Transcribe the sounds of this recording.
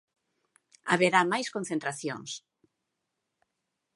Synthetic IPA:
a̰βeɾamajskonθẽnt̪ɾaθjõ̰ŋs

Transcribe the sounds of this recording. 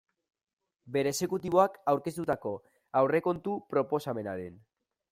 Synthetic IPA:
be̞ɾe̞ːse̞kut̪iβ̞o̞akawɾke̞st̪ut̪ako̞ | awre̞ko̞nt̪upɾo̞po̞same̞naɾen

